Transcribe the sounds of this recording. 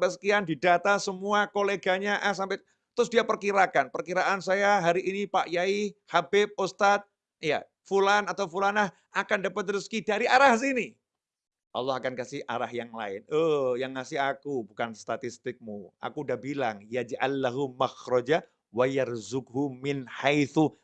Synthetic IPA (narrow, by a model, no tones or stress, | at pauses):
pəsə̥kiandidat̪asəmuakoleɡaɲaʔahs̬ampa | t̪ɾʊsdiapərkiɾakanpərkiɾaʔansajaɦaɾiʔinipaʔjaihabɪp̚ost̪at̪̚ | ija̰ | fulanat̪awfulanah | ʔakandapat̪t̪ːəɾʊskidaɾiʔaɾahs̬ini | ʔɑ̰lːɔhɦakankasɪhʔa̰ɾahjaŋla̰ɪnəjaŋːasɪɦakubukanst̪at̪ist̪ɪk̚mua̰kudaʔbilaŋjad͡ʒʕa̰lːaɦumaxɾɔd͡ʒa | wajarzʊkɦumɪnhajθu